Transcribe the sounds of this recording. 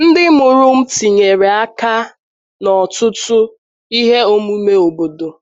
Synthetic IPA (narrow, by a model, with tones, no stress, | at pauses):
n̩˦dɪ˦mʊ˨ɾʊ˦m̩˦ti˨ɲe˨ɾe˨a˦ka˦ | nɔ˨tʊ˦tʊ˦ | i˦ɦe˦o˦mu˦me˦o˨bo˨do˨